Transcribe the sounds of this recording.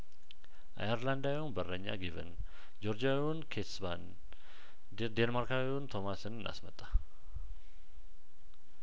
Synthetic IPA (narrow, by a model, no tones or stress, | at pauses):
ʔa̰jɛɾlandaunbərəɲːa̰ɡivə̰n | d͡ʒoɾd͡ʒa | unkʰet̪sban | d̪enmarka | unt̪ʰomasɨnna̰smət̪ʼːa